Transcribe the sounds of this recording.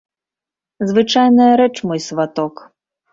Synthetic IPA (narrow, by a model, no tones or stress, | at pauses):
zvɨt͡ʂajnɐjɐɾɛt͡ʂmɔjsvat̪ɔk